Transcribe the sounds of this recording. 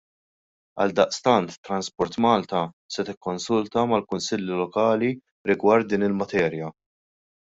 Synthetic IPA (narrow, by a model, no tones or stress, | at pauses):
ɐ̰ld̪ɐʔst̪ɐnt̪t̪ːɾɐnspɔɾt̪mɐːlt̪ɐ | sɛt̪ɪkːɔnsʊlt̪ɐmɐlkʊnsɪlːilɔkɐːli | ɾɪɡwɐɾt̪̚d̪iːnɪlmɐt̪ɛːɾjɐ